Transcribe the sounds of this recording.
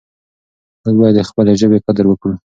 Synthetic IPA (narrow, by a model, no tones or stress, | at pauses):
məzbɑjad̪əxpəleʒəbeqad̪əɾwəkɽu